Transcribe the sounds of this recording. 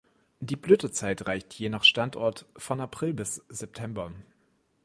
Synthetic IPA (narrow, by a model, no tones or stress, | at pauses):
diːbløːtət͡saɪtʁaɪçtʰjeːnaχʃtantɔɐtfɔnapʁ̥ɪlbɪsz̥ɛp̚tʰɛmbɐ